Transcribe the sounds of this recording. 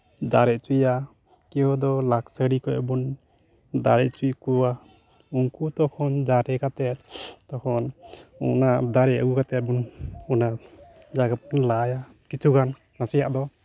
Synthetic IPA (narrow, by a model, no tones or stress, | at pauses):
d̪aɾɛʔt͡ʃuja | kiɔd̪ɔlaksəɽikɔʔbun | d̪aɾɛʔt͡ʃujkuwa | uŋkut̪ɔkʰɔnd͡ʒaɾɛkat̪ɛt̪̚t̪ɔkʰɔnṵnad̪aɾɛəɡukat̪ɛt̪̚bunɔna | d͡ʒaɡap̚nlaja | kit͡ʃʰuɡanː | asɛjaʔd̪ɔ